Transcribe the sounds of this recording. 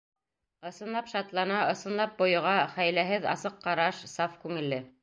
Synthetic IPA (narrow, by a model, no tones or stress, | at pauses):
ɤ̆sɤ̆nlˠɑpʃɑt̪lˠɑnɑŏsɤ̆nlˠɑp̚bŏjɤ̆ʁɑχæjlæɦɘðɑ̰sɤqːɑɾɑʃsɑfkʉŋɘ̆lːɘ